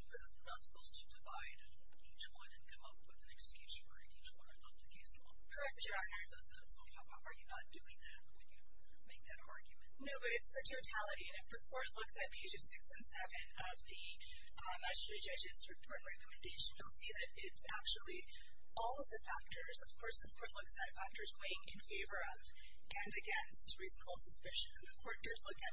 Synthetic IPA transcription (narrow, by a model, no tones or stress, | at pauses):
səð | nʌspoʊlˠz̥tʰɨdɨvaɪɾ | it͡ʃwʌ̃nɨ̃nkʰʌ̃mʌpwɨðɨ̃nɨkst͡ʃẽnd͡ʒfə̰˞ɨ̃nit͡ʃwʌ̃nɨ̃ʌvðɨkʰeɪsɔ̰ | kʰə˞ɛk̚anə˞zðoʊz | soka | ʔə˞jɨnət̚d̥ʉɪ̃ŋðæt̚wɨ̃njɨ | meɪk̚ðɨɾɑ̰ɹɡjɨmɨ̃ntnoʊbʌɾɨtsðɨtʰoʊtʰælˠəɾiɨ̃nɨfðɨkʰɔɹtˡlʊksɨt̚pʰeɪd͡ʒɨz̥sɪksɨ̃nsɛvɨ̃n | ʌvðɨ | mɛd͡ʒɨstɹid͡ʒʌd͡ʒɨzɹɨpʰɔɹɾ̃n̩ɹɛkəmɨ̃ndeɪʃɨ̃nilˠsiðɨɾɪtsæ̰k̚t͡ʃul̩ˠi | ɔlˠʌvðɨfæk̚tə˞zʌv̥kʰɔɹsɨfkʰɔɹtˡlʊksɨtfæk̚tə˞zweɪɪ̃ŋɪ̰̃nfeɪvə˞ʌv | ʔɨ̃nɨɡɛ̃nst̚ɹiznbl̩ˠsɨspɪʃɨ̃nɨ̃nðɨkʰɔɹt̚d̥ʌlʊkɨt̚